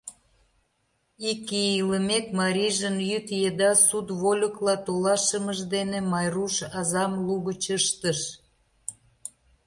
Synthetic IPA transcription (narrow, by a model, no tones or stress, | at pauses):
ikiiləmekmɑɾʲiʒənjyt̪jed̪ɑsud̪βolʲəklɑt̪olɑʃəməʒd̪enemɑjruʃɑzɑmluɣət͡ɕəʃt̪əʃ